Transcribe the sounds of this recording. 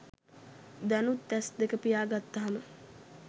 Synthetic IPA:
d̪ænut̪ːɛsd̪ekəpijaːɡat̪ːaɦamə

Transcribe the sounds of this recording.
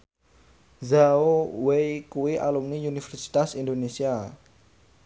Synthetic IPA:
zaowejkuwiʔa̰lumniunifɛrsi̥t̪asind̪onesia

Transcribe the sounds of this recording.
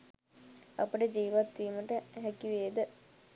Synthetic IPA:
ɐ̰pəʈəd͡ʒiːʋat̪ːiːməʈəɦɛkiʋeːd̪ə

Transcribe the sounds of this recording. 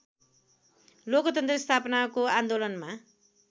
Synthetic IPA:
lokʌt̪ʌnt̪rʌst̪ʰapʌnakoand̪olʌnma

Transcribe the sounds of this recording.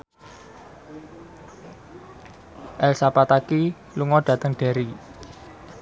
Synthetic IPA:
ʔɛlsapat̪aki | luŋɔɖ̥a̤t̪əŋɖ̥a̤ɾi

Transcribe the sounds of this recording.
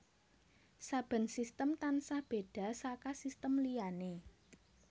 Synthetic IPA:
sab̥ə̤nsist̪əmt̪ansahb̥e̤ɖ̥a̤sakasist̪əmlijane

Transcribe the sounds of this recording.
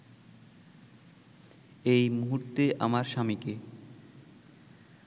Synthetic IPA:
ejmuɦuɾt̪eʔa̰maɾʃamike

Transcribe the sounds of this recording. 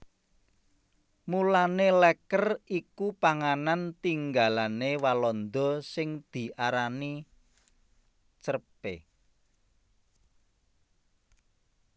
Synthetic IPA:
mulanelɛkərikupaŋanant̪iŋɡalanewalɔnd̪ɔ̤sɪŋd̪̥i̤ʔaɾani | t͡ʃərpḛ

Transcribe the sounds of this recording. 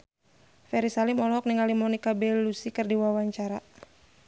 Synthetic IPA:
fɛɾisalimɔlɔɦɔk̚niŋalimɔnikabɛlusikɨrdiwawaɲt͡ʃaɾa

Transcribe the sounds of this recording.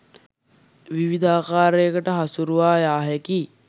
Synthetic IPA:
ʋiʋid̪ʱaːkaːɾeːkəʈəɦasuɾuʋaːjaːɦeki

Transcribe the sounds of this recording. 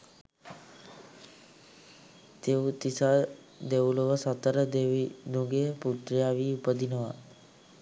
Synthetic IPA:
t̪ewut̪isa | d̪ewuloʋəsət̪əɾənuɡeəput̪ɾijaːʋiupəd̪inəʋa

